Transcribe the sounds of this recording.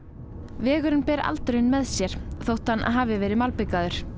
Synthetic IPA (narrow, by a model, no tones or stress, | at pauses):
vɛːɣʏɾɪnpɛːɾa̰lt̪ɾenmɛðsjɛɾ̥θowht̪hanʔa̰ðɦaːvɪvɛːɾɪmalpɪkaðʏɾ̥